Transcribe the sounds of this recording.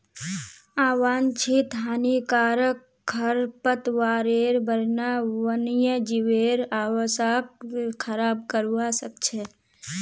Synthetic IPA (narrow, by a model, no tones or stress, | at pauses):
aːʋaːnt͡ʃʰit̪ɦaːnikaːɾək | kʰːəɾpət̪ʋaːɾeːɾbəɾnaʋənjəd͡ʒiʋeːɾaːwəsapkʰəɾaːb̚kəɾʋasəkt͡ʃʰe